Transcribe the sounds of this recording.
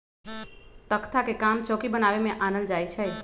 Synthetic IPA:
t̪əkt̪ʰakekamt͡ʃɔkibənaʋemẽʔanəld͡ʒajt͡ʃʰe

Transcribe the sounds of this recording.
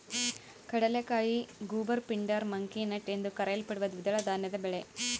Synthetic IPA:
kɐɽɐlekːaːɻiɡuːbɐɾpiɳɖɐɾmɐŋkinɐʈːend̪ɯkɐɾɐjɐlpɐɽɯʋɐd̪ɯʋɪd̪ɐɭɐd̪aːnːɐðɐbɛɭe

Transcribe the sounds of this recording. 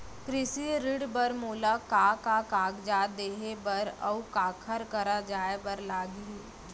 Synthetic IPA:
kɾɪsiɾɪɽbəɾmoːlakaːkakaːɡd͡ʒaːd̪eːɦebəɾə̰ukaːkʰəɾkɐɾad͡ʒaːebəɾlaːɡii

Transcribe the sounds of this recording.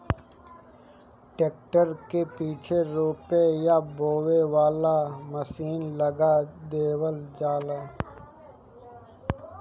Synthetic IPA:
ʈeːk̚ʈəɾkepiːt͡ʃʰeɾoːpejaboːweʋaːlaməsiːnləɡad̪eːwəld͡ʒaːlaː

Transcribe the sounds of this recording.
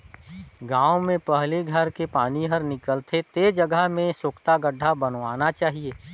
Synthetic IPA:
ɡãːwmẽpəɦleɡʱəɾkepaːniɦəɾnɪkəlt̪ʰet̪ed͡ʒəɡəɦmẽsoːkt̪aɡəɖʱabɐnʋaːnat͡ʃaːɦieː

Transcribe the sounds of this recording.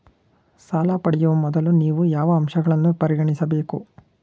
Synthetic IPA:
saːlaːpɐɽɛjuʋɐmɔd̪ɐluniːʋujaːʋɐːmʃɐɡɐɭɐnːupɐɾiɡɐɳisɐbeːkṵ

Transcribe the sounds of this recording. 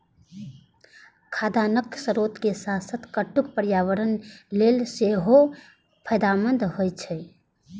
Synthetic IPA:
kʰad̪anəksəɾot̪kesasət̪kəʈːuk̚pəɾjaʋəɾənlelseɦo | pʰəjd̪amənd̪ɦojt͡ʃʰɛ

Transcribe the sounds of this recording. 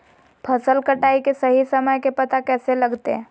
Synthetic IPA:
pʰɐsəlkəʈaːikesɐɦisɐməjkepɐt̪akɛːselɐɡt̪ḛ̃

